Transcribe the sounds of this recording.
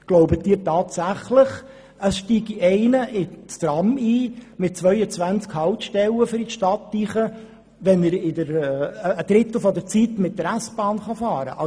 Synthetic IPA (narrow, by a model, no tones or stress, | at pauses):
ɡ̥loʊbətdiːɾtɑːt̪sæχləχ | əsʃtiːɡiʔɛɪnəʔɪt͡st̪ɾɑmiːmɪt̚t͡svœʏət͡sʋænt͡skhɑʊt̪ʃtɛləfʏɾiʃtɑtːiχə | ʋɛnəɾɪdəɾː | d̥ɾɪt̪l̩ˠfɔd̪ət͡sit̪mɪt̚dəɾæsb̥ɑːnχɑfɑːɾə̰ʔɑ